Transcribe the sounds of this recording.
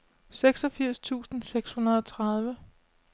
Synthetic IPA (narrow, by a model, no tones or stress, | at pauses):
seɡ̥sɒ̽fiɐ̰st͡sʰṵːsn̩seɡ̥shunɐðˠɒ̽t͡sʰʁɑð̞ˠʋə